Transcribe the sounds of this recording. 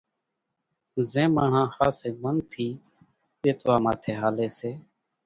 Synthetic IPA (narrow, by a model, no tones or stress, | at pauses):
zẽːmãːɳãːhaːseːmənt̪ʰiː | ɗeːt̪ʋaːmaːt̪ʰeːɦaːleːseː